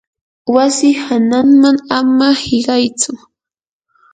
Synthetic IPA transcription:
wasɪhanaŋmaŋamahɪɢɑjt͡sʊ

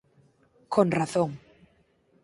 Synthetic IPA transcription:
konraθoŋ

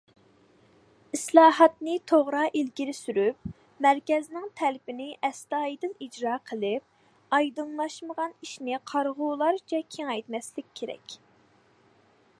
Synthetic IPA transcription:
islˠɑːɦɑt̪nɨt̪ʰoʁɾɑːʔilkʲiɾɪsyɾyp̚ | mæɾkʲɛznɪŋt̪ʰɛlɪpɪnɪʔɛst̪ɑːjd̪ɨlid͡ʒɾɑːqʰəlˠɪp̚ | ɑjd̪ɨŋlˠɑʃməʁɑniʃnɪqʰɑɾʁʊlˠɑɾt͡ʃʰɛkʲʰeŋɛjt̪mɛslɪkʲʰːeɾɛ̰kʲ

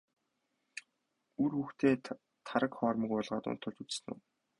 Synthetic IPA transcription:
urxuːxt̪ʰeː | t̪ʰaɾə̆kχɔːrmə̆kʊɮʁaːt̪ʊ̰n̥t̪ʰʊ̆ɮt͡ɕut͡ssnṵː

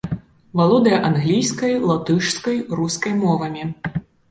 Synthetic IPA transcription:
valˠɔd̪ɐjɐʔanɣlʲijskɐjlˠat̪ɨʂskɐjruskɐjmɔvɐmʲi

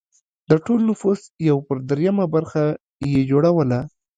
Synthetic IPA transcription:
d̪̥əʈolnʊfusjawpəɾd̪ɾjamabaɾxa | jed͡ʒoɽawəla

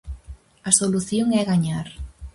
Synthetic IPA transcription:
ɐsoluθjoŋɛɣaɲaɾ

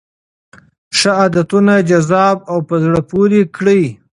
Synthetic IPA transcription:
ʂaɑːd̪at̪unad͡ʒazɑb̚awpəzɽəpuɾikɽəj

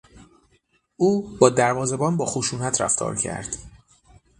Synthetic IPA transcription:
ʔuːbɒːd̪æɾvɒːzebɒːnbɒːxoʃuːnæt̪ʰɾæ̰ft̪ʰɒ̰ːɾcʰæ̰ɾd̪̥

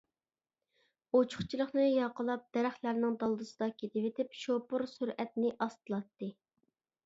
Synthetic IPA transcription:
ot͡ʃʰʊ̥χt͡ʃʰilˠəχnɨjɑqəlˠɑp̚d̪̥ɛɾæχlæɾnɪŋd̪ɑlˠd̪ɨsɨd̪ɑkʲʰet̪ʰɪvet̪ʰɪpʃopʊɾsuɾɛt̪nɪʔɑst̪ɨlˠɑt̪ːɨ

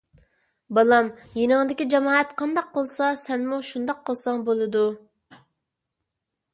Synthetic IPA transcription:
bɑlˠɑmjenɪŋd̪ɪkʲid͡ʒɑmɑːɛt̪qʰɑnd̪ɑqʰːəlˠsɑsɛnmuʃund̪ɑqʰːəlˠsɑŋbolˠɨd̪u

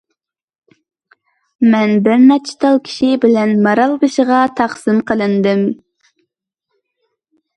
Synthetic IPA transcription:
mɛnbɪɾmɛt͡ʃʰːi̥t̪ɑlˠkʲʰi̥ʃibɪlɛnmɑɾɑlˠbɨʃəʁɑt̪ʰɑχsɨmqʰəlˠɨnd̪ɨm

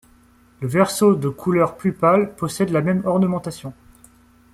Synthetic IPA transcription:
ləvɛʁsod̪əkʰulœʁplypalpɔsɛd̪lamɛmɔʁnəmɑ̃t̪asjɔ̃

